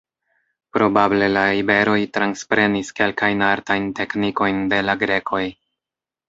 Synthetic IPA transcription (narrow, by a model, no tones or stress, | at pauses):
pɾo̞bable̞laibe̞ɾo̞jtɾanspɾe̞niske̞lkajnaɾtajnte̞kniko̞jnde̞laɡɾe̞kʰo̞j